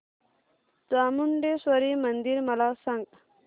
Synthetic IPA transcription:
d͡zaːmunɖeswɐɾimɐnd̪iɾmɐlaːsɐŋɡ

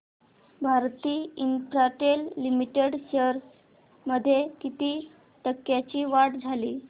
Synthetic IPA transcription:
bʱaɾt̪iːinpɾaʈelːimiʈeɽɕəɾs | məd̪ʱːjekit̪iː | ʈ̪əkːjat͡ɕiːʋaʈd͡zʱaliː

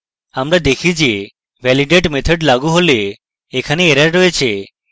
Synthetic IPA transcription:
amɾad̪ekʰid͡ʒe | ʋʱɛliɖeʈmet̪ʰɔɖlaɡuɦoleː | kʰaneeɾaɾɾoet͡ʃʰe

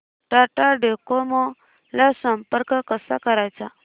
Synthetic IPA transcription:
ʈaʈaɖekomɔ | lasəmpəɾkkəsa̰kəɾajt͡sa

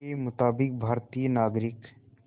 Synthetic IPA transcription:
emʊt̪aːbɪk̚bʱaɾt̪ijənaːɡɾɪk

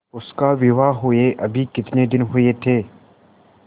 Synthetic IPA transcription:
ʊskaʋɪʋaɦʊeʔɐbʱikɪt̪ned̪ɪnɦʊet̪ʰeː

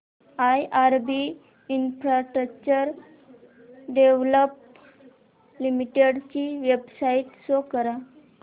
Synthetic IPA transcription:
ajʔaɾbiː | nfɾaʈɾək̚t͡ɕəɾ | ɖeʋləp | limiʈeɽt͡ɕiːʋebsaiʈ̪sokəɾa

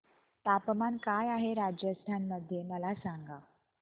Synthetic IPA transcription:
t̪apmankajaɦeɾad͡ʑjəst̪ʰanməd̪ʱjeməlasaŋɡa

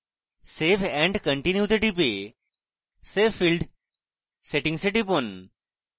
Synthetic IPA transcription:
sefɛ̃ɳɖkə̃ɳʈinjut̪eʈip̬e | sefːilɖ | seʈĩŋɡseʈipon

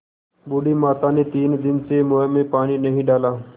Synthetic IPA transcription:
buːɽiːmaːt̪aːneːt̪iːnd̪ɪnsemomẽːpaːɽ̃iːnəɦĩɖaːlaː

